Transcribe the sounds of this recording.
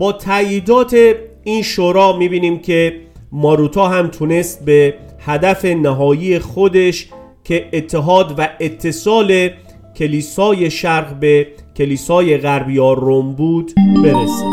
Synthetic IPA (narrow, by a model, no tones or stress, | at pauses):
bɒːt̪ʰæjiːd̪ɒːt̪ʰe̞ | iːnʃoːɾɒːmiːbiːniːmkʰe̞mɒːɾut̪ʰɒːɦæmt̪ʰune̞st̪̚be̞ | hæd̪æfe̞næɦɒːjiːjexod̪e̞ʃ | kʲʰe̞ːt̪ʰːeɦɒːd̪væet̪ʰːe̞sɒːle̞ | kʲʰe̞liːsɒːje̞ʃæɾɣbe̞ | kʲʰe̞liːsɒːje̞ɣæɾbjɒːɾombuːd̪be̞ɾesi